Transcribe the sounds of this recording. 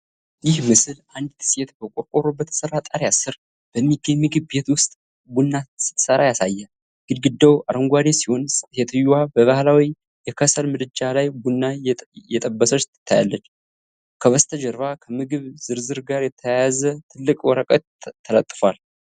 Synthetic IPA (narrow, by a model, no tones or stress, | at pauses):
jɪhmɨsɨlʔand̪t̪ʰɨ̥set̪bəkʼokʼoɾobət̪ʰsərːat̪ʼaɾjasɨɾ | b̥əmːiɡːəɲmːɨɡɨbet̪wʊst̪ʼ | bunːasɨ̥t̪ːsəɾajasajːɛ | ɡ̥ɨd̪ɡɨd̪ːəwʔaɾəŋɡʷad̪esihonet̪ʰɨjwabəβahlawi | jɛkʰəsəlmɨd̪ɨd͡ʒalajbunːajɛt̪ʼəbːəsət͡ʃt̪ʰːɨ̥t̪ʰːaja̰lːət͡ʃː | kʰəβəst̪ʰəd͡ʒɛɾvakʰəmɨɡɨβz̥ɨɾzɨɾɡaɾjɛt̪ʰːəjajazət̪ʰɨlːɨkʼwɔɾəkʼət̪ʰːələt̪ʼːfwal